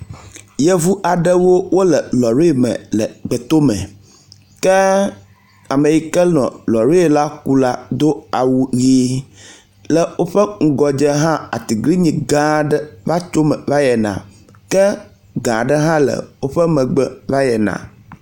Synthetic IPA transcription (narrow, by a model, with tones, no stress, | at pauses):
jɛ˦vu˦ʔa˨ɖə˦wo˦wo˦lɛ˨lɔ˨ɾe˦e˦˨mɛ̰̃˨lə˨ɡ͡bɛ˨t̪o˦mɛ̰̃˨ | kɛ˦ | a˨me˨ji˨kɛ˦nɔ̰̃˨lɔ˨ɾe˦˨la˦ku˦la˦d̪o˦a˨wu˨ɣi˦ | lɛ˨wo˦ɸə˦ŋ̩˦ɡɔ˨d͡ʒɛ˦ɦã˦a˨t̪i˨ɡli˦ɲĩ˨ɡã˨ɖɛ˦va˦t͡ʃo˦mɛ̃˨va˦jɛ˨nã̰˨ | kɛ˦ | ɡã˨ɖə˦ɦã˦lə̰˨wo˦ɸɛ˦mɛ̃˨ɡ͡bɛ˦˨va˦jɛ˨nã̰˨